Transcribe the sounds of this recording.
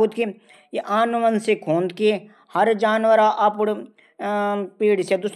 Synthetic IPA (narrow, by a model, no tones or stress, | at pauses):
uːt̪ki | jeʔaːnʋənsekʰõːnd̪̚ki | hɐɾd͡ʒaːnʋəɾaʔɐpʊɽ | piːɽised̪ʊs